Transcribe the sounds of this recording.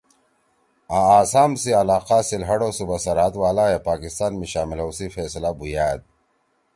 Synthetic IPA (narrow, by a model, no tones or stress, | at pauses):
aaːsaːmsiɐlaːqaːsilɦɐɽosubasɐɾaːt̪waːlaːjapaːkist̪aːnmiɕaːmilowsifeːslabujaːd̪̚